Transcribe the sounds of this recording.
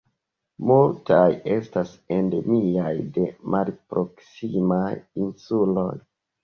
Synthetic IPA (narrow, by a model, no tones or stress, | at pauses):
multaje̞stasende̞miajde̞mʔalpɾo̞ksimajinsulo̞j